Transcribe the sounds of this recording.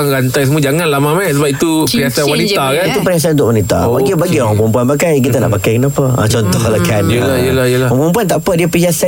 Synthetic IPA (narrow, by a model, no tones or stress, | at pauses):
ŋɾant̪ajs̬əmuəd͡ʒaŋanlamamɛsəbap̚it̪uəɲasanwanit̪akanit̪upəɾɲas̬ant̪ʊkʔwanit̪a̰baɡibaɡiɔɾaŋpɾumpuanpakajk̬it̪ənaʔpakajkənapəã̰t͡ʃɔnt̪ɔhləkʰanjəlaiəlahijəlaapɾump̬uant̪aʔpədiəpəd͡ʒasa